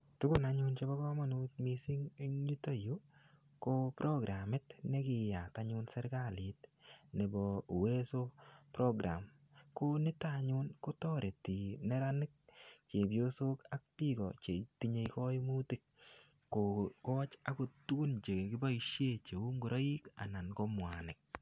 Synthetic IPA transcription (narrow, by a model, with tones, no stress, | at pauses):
tʊ˦ɡʊ˦˨na˨ɲu˦nt͡ʃe˦bɔ˦kɔ˦ma˦nu˦tmi˦si˦ŋŋɲi˦to˦ju˦ | ko˦pɾʔɔ˦ɡɾʔa˨mɪ˦tne˦kɪ˨ja˨taɲʊ˧nsɛ˦ɾɡa˦li˨tne˨bɔ˨we˦so˦pɾɔ˦ɡɾa̰˨m | ko˦nɪ˦taɲu˦nko˦tɔ˦ɾʔe˨ti˨nɛ˦ɾa˦nɪ˦k̚t͡ʃe˨bjo˦so˦ka˦k̚pi˦ɡɔ̰˨t͡ʃe˨tiɲe˧kɔ˦mu˦tɪ˦k̚ | kːo˨kɔ˦t͡ʃa˦ko˨tu˦nt͡ʃe˨kɪ˦ba˦iʃje˦t͡ʃe˨u˦ŋɡu˨ɾʔo˦i˦ka̰˨na˨nko˦mwa˨nɪ˨k̚